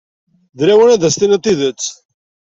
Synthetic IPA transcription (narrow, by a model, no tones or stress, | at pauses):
ðɾæwənæðæst̪inət̪ːiðət͡sː